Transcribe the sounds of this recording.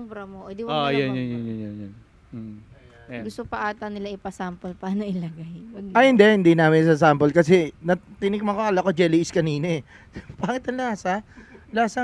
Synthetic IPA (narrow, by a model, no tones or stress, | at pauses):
bɾɐmoʔod̪iojɐnjonjonjonjonjon̩ː | ɡʊst̪opɐʔaːt̪ɐnɪlaʔɪpɐsaːmpolpaːnoʔɪlɐɡajʔɐhɪnd̪ɛhɪnd̪inaːmɪns̬ɐs̬aːmpolkɐs̬ɛnɐt̪ɪnɪk̚mɐkoʔɐlɐkod͡ʒɛliɪskɐniːnɛ | paːɐŋɪt̪ɐnlasɐlaːsɐ